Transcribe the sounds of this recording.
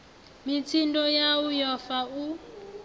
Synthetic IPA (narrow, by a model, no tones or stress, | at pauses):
mitʰindɔjaujɔfau